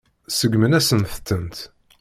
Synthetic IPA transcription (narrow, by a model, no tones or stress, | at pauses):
səɡmənæsənθət̪ːənt̪